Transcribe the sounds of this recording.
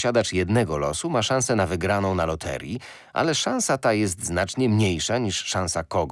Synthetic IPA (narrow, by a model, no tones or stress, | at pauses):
ɕad̪at͡ʂjɛd̪nɛɡɔlɔ̰sumaʂãñsɛnavɘɡɾanɔ̃w̃nalɔt̪ʰɛ̰ɾʲji | ʔa̰lɛʂãñsat̪ajɛst̪znat͡ʂɲɛmɲejʂaɲiʂːãw̃sakɔɡ